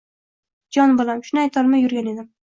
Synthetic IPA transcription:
d͡ʒɒnbolˠamʃʊnajt̪ʰɒɾmɪjʊɾɡʲane̞d̪ɪm

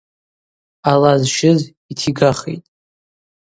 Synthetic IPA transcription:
alazʃɪz | itʰiɡaχḛjtʼ

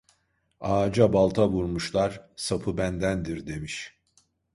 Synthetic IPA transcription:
aːd͡ʒabalˠt̪ʰaβuɾmuʃlˠaɾ̥sapʰɯbænd̪ænd̪iɾd̪e̞miʃ

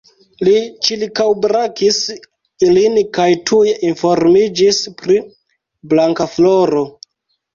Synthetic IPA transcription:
lit͡ʃilkawbɾakis | ilinkajtʰujeʔinfo̞ɾmid͡ʒispɾi | blaŋkafloɾo̞

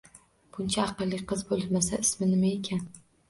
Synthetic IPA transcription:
b̥ʊnt͡ʃʰaɑqɨlˠːɪqʰɨzbolˠmasaɪsmɪnɪmae̞kʲʰan

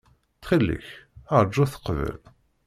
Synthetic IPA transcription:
tχilːə̰çəɾˤd͡ʒːuθə̥qvə̰l

